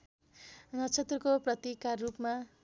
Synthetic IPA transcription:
nʌt͡sʰʌt̪rʌkoprʌt̪ikarrupma

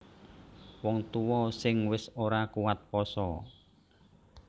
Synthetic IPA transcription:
wɔŋt̪uwɔsɪŋwɪsoɾakuwat̪̚pɔsɔ

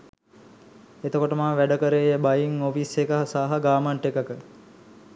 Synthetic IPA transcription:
et̪əkoʈəmaːʋæɖəkəɾeːjəbajiŋofisekəɦasaːɦəɡaːmaɳʈekəkə

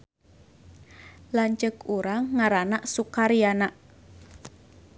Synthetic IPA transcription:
laɲt͡ʃəkuɾaŋːaɾanaʔsukaɾijanaʔ

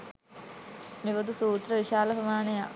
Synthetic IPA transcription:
miʋɐd̪usuːt̪rɐʋiɕaːlɐpɐmaːnɐja

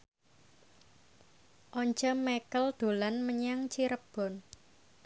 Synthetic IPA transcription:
ʔɔɲt͡ʃɔmekəld̪̥o̤lanməɲaŋt͡ʃiɾəb̥ɔ̤n

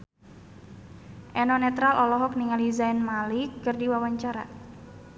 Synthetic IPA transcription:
ʔɛnɔnɛt̪ɾalʔɔlɔɦɔk̚niŋalizaɛnmalɪkːɨrdiwawaɲt͡ʃaɾa̰

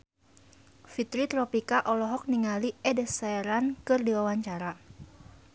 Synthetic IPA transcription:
fit̪ɾit̪ɾɔpikaʔɔlɔɦɔk̚niŋaliɛdɛsɛɛɾankɨrdiwawaɲt͡ʃaɾa

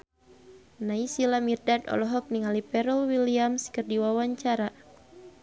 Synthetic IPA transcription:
naisilamirdadɔ̰lɔɦɔk̚niŋalipɛɾɔlwiliamskɨrdiwawaɲt͡ʃaɾa

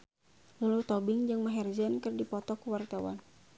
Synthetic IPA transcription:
lulut̪ɔbɪŋd͡ʒɨŋmaɦɛrd͡ʒɛnkɨrdipɔt̪ɔkəwart̪awa̰n

